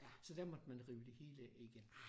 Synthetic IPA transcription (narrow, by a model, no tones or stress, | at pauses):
sɒ̽d̥æɐmɒ̽d̥mænʁiːʊəd̥e̝he̝ːləiɡ̥en